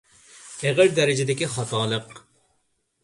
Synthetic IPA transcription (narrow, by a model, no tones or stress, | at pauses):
eʁɪɾd̪ɛɾɪd͡ʒɪd̪ɪkʲiχɑt̪ɑːlˠəq